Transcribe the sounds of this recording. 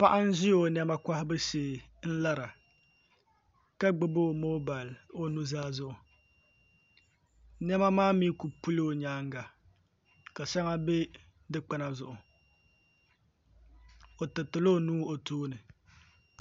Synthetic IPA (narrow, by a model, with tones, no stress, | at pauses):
pa˦ʔa˦n˦ʒi˦jo˨nɛ˦ma˦ka˦hɪ˦bɨ˦seː˨n̩˦la˦ɾa˨ | ka˦ɡ͡bɨ˦bo˦˨mo˦ba˨lo˦nu˦zaː˦zʊ˦ʔʊ˨ | nɛ˦ma˦maː˦mi˦ku˨pu˦li˦o˨ɲaː˦ŋɡa˨ | ka˨sa˦ŋa˦be˦ | dɨ˦k͡pa˦na˨zʊ˨ʔʊ˨ | o˨tɨ˨tɨ˨lo˦˨nuː˦o˨toː˦nɨ˨